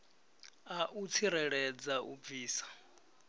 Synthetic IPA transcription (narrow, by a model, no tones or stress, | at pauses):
aʔut͡sʰiɾɛɺɛd͡zaʔṵb̪viːsḁ